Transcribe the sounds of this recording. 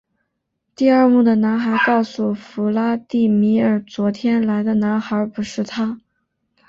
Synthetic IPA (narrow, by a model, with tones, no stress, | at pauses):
t̪i˥˧ə˞˥˧mu˥˩d̪ə˩na˧˥nxa˧˥ɪkɑ˥˩ʊsu˨˩fu˧˥la˥t̪i˥˩mi˧˥ə˞˨˩t͡swɔ˧˥t̪ʰjɛ˥nla˧˥ɪd̪ə˧na˧˥nxa˞˧˥pu˧˥ʂɻ̩˥˩t̪ʰa˥